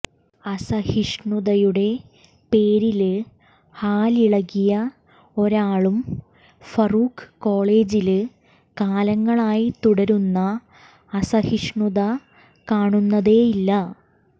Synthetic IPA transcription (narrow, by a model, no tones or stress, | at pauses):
ɐsɐhiʂɳuðɐjuɽe̞ | pe̞ːɾilɨ | haːliɭɐɣːijɐ | o̞ɾaːɭum | fɐruːkkːo̞ːɭeːd͡ʑilɨ | kaːlɐŋːɐɭaːjit̪uɽɐɾunːɐː | sɐhiʂɳuðɐ | kaːɳunːɐðe̞ːjilːɐ